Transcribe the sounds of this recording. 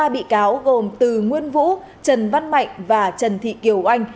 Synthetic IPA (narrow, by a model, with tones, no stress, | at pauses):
aː˧ɓḭ˧˨kaː˨˦wɣo˨˩mt̪ɨ˨˩ŋwi˧ənvṵ˧˥ | t͡ɕə˨˩nva˧nma̰˧˨jŋ̟vaː˨˩t͡ɕə˨˩nt̪ʰḭ˧˨ki˧˩əwʔa˧jŋ̟